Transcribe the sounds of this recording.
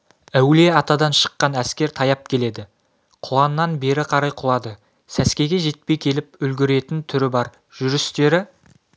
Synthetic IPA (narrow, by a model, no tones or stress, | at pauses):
æwle̞ɑt̪ɑd̪ɑnʃə̥qːɑnæskʲe̞ɾt̪ʰɑjɑp̚kʲʰe̞le̞d̪ɪ | qʰʊlˠɑnːɑnbe̞ɾɪqʰɑɾɑjqʰʊlˠɑd̪ə | sæskʲe̞ɡʲe̞ʒe̞t̪̚pe̞jkʲʰe̞lɪp̚ʏlɡʲɪɾe̞t̪ɪnt̪ʰʏɾɪbɑɾ | ʒ̥ʏɾɪst̪e̞ɾɪ